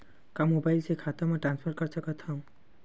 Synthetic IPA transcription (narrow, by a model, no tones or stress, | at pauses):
kamobajlsekʰat̪amaʈɾanspʰaɾkaɾt͡ɕakat̪ʰɔm